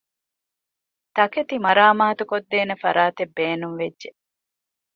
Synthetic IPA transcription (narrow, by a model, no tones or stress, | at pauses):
t̪ɐket̪imɐɾaːmaːt̪ukod̪ːeːnefɐɾaːt̪ebːeːnuŋʋedʒe